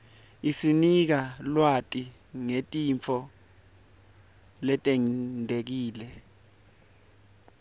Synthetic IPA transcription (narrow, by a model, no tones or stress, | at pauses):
isinik̬alwatʼi | ŋetʼimfʰɔ | lɛtʼɛŋndʱek̬iːlɛ